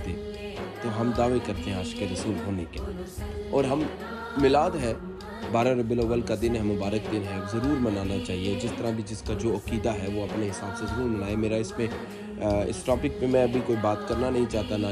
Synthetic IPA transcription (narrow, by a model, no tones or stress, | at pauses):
t̪ḛː | t̪oɦɐmd̪aːʋekɐɾt̪eɦɛ̃aːd͡ʒkeɾɐsuːlɦoːneke | ɔːɾɦɐmː | ɪlaːd̪ɦɛ | baːɾãɾɐbɪloːʋəlkad̪ɪnɦɛmʊbaːɾək̚d̪ɪnɦɛzɐɾuːɾmɐnaːnat͡ʃaːɦied͡ʒɪst̪ɐɾãbʱid͡ʒɪskad͡ʒoːɐkiːd̪aɦɛʋoɐpneɦɪsaːbsezɐɾuːɾmɪnaːemeːɾaɪsmẽ | ɪ̰sʈɔːpɪk̚pẽmɛ̃ɐbʱikoːibaːt̪kɐɾnanɐɦĩt͡ʃaːɦt̪ana